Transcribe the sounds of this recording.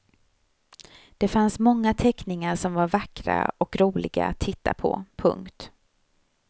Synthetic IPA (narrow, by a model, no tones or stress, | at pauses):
d̪̥ɛfansmɔŋːat̪ʰɛknɪŋaɾʂɔmvaɾvakɾa̰ɔkɾuːlɪɡa̰a̰t̪ʰːɪt̪ːa̰pʰɔ̰pʰɵ̰ŋkt̪